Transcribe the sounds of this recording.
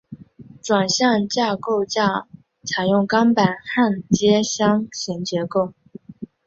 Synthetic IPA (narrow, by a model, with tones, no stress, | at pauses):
ʈ͡ʂwa˨˩nɕjɑ˥˧ŋt͡ɕja˥˧ko˥˧ʊt͡ɕja˥˩ | t͡sʰa˨˩ɪjʊ˥˩ŋkɑ˥ŋpa˨˩nxa˥˩nt͡ɕjɛ˥ɕjɑ˥ŋɕɛ˧˥nt͡ɕjɛ˧˥ko˥˩ʊ